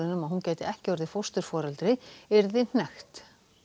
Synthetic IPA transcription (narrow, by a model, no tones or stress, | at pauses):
ɪnʏmaðɦuncaːjt̪ɪɛhcɪɔɾðɪfowst̪ʏɾ̥fɔːɾalt̪ɾɪɛɾðɪn̥ɛxt̪